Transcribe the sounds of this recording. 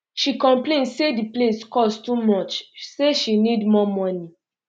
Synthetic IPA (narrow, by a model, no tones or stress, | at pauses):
ʃikɔ̃mplẽnsedipleskɔsttumɔt͡ʃseʃinidmɔmɔni